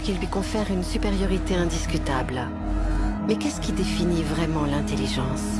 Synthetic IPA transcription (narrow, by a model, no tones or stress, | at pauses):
kilːɥikɔ̃fɛʁynsypeʁjɔʁit̪eɛ̃d̪iskʲyt̪abl | mɛkɛskʲid̪efinivʁɛmɑ̃lɛ̃t̪eliʒɑ̃s